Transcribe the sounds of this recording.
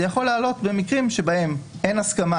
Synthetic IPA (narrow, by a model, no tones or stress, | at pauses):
jaχo̞lealo̞t̪be̞mikʁimʃe̞bahe̞mʔe̞naskama